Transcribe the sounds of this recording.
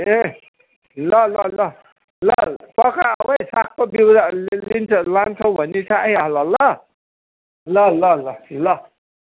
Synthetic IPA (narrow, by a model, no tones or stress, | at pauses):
e | lʌlʌlʌ | lʌpʌkaawejsak̚ʰpʌbiwalint͡sʰʌlant͡sʰʌw̃bʱʌnit͡sʰaajaɦlʌlʌ | lʌlʌlʌlʌ